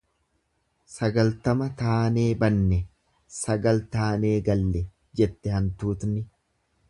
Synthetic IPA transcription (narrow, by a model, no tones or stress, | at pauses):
sɐɡɐlt̪ɐmɐt̪aːneːbɐnːɛ | sɐɡɐlt̪aːne̞ːɡɐlːɛ | d͡ʒɛt̪ːɛhɐnt̪uːt̪nɪ